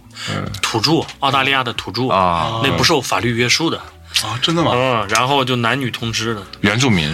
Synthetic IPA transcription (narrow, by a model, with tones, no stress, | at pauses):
t̪ʰu˨˩ʈ͡ʂu˥˩˥ʊt̪a˥˧li˥˧ja˥˩d̪ə˩t̪ʰu˨˩ʈ͡ʂu˥˩˧ne˥˩ɪpu˧˥ʂɻ̩˥˩jo˧˥ʊfa̰˨˩ly˥˩ɥɛ˥˩ʂu˥d̪ə˨ | ɔ˧˩ʈ͡ʂə˥nd̪ə˨˩ɐ˨˥˩ɻa˧˥nxo˥˧ʊt͡ɕjo˥˩ʊna˧˥nny˨˩t̪ʰʊ˧˥ŋʈ͡ʂɻ̩˥d̪ə˨ɥɛ˧˥nʈ͡ʂu˥˩mḭ˧˥ŋ